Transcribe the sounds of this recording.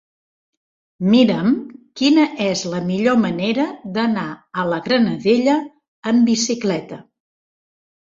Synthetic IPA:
miɾəmkinəʔɛzləmiʎoməneɾəðənaələɣɾənəðeʎəː | mbisiklɛt̪ə

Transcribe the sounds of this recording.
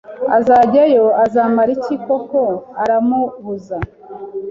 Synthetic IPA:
a̰zaːɟajo̞azaːmaɾicikokoaɾamuβuza

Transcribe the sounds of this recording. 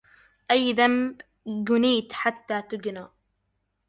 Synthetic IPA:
ʔajːðamb | ɡʊniːt̪ħat̪ːaːt̪ʊɡnaː

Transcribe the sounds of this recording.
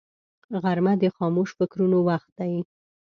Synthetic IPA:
ɣaɾmad̪əxɑmoʃfɪkɾunowaxt̪̚d̪aji

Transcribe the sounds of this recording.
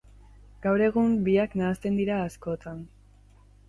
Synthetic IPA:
ɡ̥awɾe̞ɣ̞umbiaknaːst̪e̞nd̪iɾaːsko̞t̪ʰan

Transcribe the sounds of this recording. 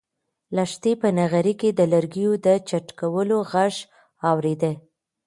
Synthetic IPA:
laʃt̪ipənaɣaɾiked̪əlaɾɡijod̪ət͡ʃaʈkawəloɣaʒ | ɑwɾed̪ə

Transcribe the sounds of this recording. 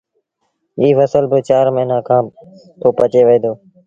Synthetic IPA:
iːfəsəlbɪt͡ʃaːɾmɪɪnãːkʰãː | t̪oːpət͡ʃeːʋəiːd̪oː

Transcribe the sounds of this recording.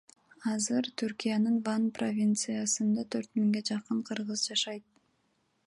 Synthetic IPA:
ɑzɯɾt̪ʰyɾkijanɯnvanpro̞vʲint̪sɨjasɯnd̪ɑt̪ʰø̞ɾt̪miŋɡe̞d͡ʒɑqɯɴqʰɯɾʁɯzd͡ʒɑʃɑjt̪̚

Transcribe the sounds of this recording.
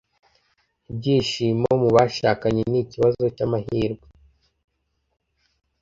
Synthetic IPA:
bɟiːʃimaomuβaʃakaɲeniciβazo̞camahiːɾɡwe

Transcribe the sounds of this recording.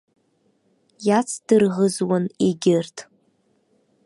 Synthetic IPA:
jat͡sʰd̥ɨrʁəzwaneɡʲɪrtʰʼ

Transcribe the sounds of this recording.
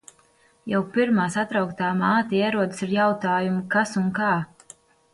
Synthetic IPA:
jawpiɾmaːsat̪ɾawkt̪aːmaːt̪iiɛɾuɔd̪ɨsiɾjawt̪aːjumukasuŋkaː

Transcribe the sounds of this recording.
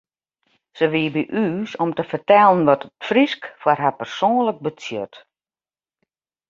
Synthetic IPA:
səʋiəbiʔyːsɔmtəfərtɛlˠənʋɔtətfriskfwarɦapərsoːnlək̚bət͡sjøt

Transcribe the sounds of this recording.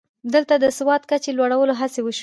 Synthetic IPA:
d̪əlt̪ad̪əswɑt̪kat͡ʃelwaɽawəloɦasewəʃ

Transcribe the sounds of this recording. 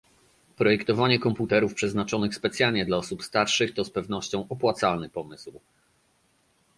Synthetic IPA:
pɾɔjɛkt̪ɔvaɲɛkɔmput̪ɛɾufpʂɛznat͡ʂɔnɘxspɛt̪sʲjalɲɛd̪laɔsupst̪aɾʂɘxt̪ɔspɛvn̪ɔɕt͡ɕɔ̃w̃ʔɔpwat̪salnɘpɔmɘsw

